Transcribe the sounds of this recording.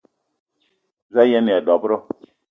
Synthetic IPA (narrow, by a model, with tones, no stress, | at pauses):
za˦jɛ˦mi˨a˨dɔ˨bɾɔ˦